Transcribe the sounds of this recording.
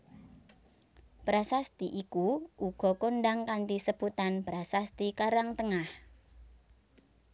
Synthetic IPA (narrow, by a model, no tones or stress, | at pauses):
b̥ɾasast̪iʔikuʔuɡ̥ɔ̤koɳɖaŋkanʈisəb̥ut̪anb̥ɾasast̪ikaɾaŋt̪əŋah